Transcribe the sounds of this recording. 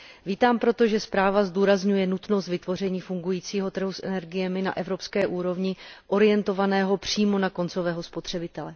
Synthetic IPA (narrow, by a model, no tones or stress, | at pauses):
viːt̪aːmpɾo̞t̪o̞ʒɛspɾaːvazd̪uːɾazɲujɛnut̪no̞st̪vɪt̪vo̞r̝ɛɲiːfuŋɡujiːt͡siːɦo̞t̪r̩ɦusʔɛ̰nɛɾɡɪjɛmɪna̰ʔɛvɾo̞pskɛːʔuːɾo̞vɲɪʔo̞ɾɪjɛnt̪o̞vanɛːɦo̞pr̝̥iːmo̞nako̞nt͡so̞vɛːɦo̞spo̞t̪r̥ɛbɪt̪ɛlɛ